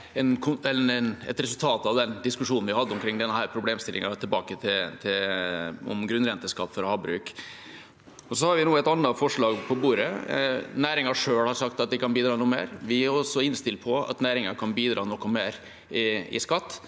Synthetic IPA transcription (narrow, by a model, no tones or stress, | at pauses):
ɛnkʰʊɛɛnɛ̰t̪ɾɛsʉlt̪ʰɑːt̪ɑʋd̪ɛnd̪ɪskʉʂuːnn̩ʋɪhɑd̪ːəɔmkʰɾɪŋːd̪ɛnːəhæːɾpʰɾʊbleːmst̪ɪlʔɪ̰ŋɑt̪ʰɪlbɑːkət̪ʰɪt̪ʰɪlɔ̰mɡɾʉnɾɛnt̪əskɑt̪ːfɔɾɔhɑːbɾʉ̰ːk | ɔsɔhɑɾʋɪnuːɛɪt̪ɑnːɑfɔʂɭɑːɡpʰɔbuːɾənæːɾɪŋɑʂøːɽhɑɾʂɑkt̪ɑt̪̚d̪ɪkːkʰɑnbiːd̪ɾɑːnuːmḛːɾʋɪæɾɔsːɔɪnst̪ɪlt̪pʰɔɑ̰t̪næːɾɪŋɑkʰɑnbiːd̪ɾʔɑ̰ːnɔkːɔmeːɾ | ɪɪ̰skɑt̪ː